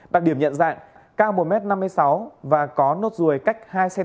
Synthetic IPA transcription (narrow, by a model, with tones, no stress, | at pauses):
ɗa˨˩t̚ɗi˧˩əmɲə̰˧˨nza̰ː˧˨ŋ | kaː˧wmo˨˩mɛ˦˥t̚na˧mːɨ˧əjsa˨˦wvaː˨˩kɔ˨˦no˦˥t̚zu˨˩əjka˦˥jk̟̚haː˧jsɛ˧